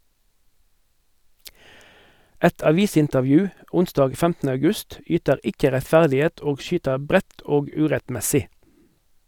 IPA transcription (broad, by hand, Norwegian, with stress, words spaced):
ˈɛt ɑˈʋiːsɪntəʁˌʋjʉː ˈʊnsdɑːɡ ˈfɛmtn̩ə ɑʉˈɡʉst ˈyːtəʁ ˈɪkə ʁɛtˈfæʁdɪˌeːt ˈoːɡ ˈʃyːtəʁ ˈbʁɛt ˈoːɡ ˈʉːʁɛtˌmɛsɪ